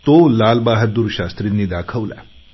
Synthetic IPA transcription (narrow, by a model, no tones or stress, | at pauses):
t̪olaːlbaːɦəɾd̪uɾɕaːst̪ɾinːiːd̪aːkʰəʋla̰